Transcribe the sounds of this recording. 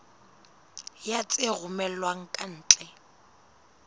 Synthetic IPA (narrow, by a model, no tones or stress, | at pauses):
jat͡sʼeɣʊmɛlwaŋ̩kʼan̩ːt͡ɬʼɛ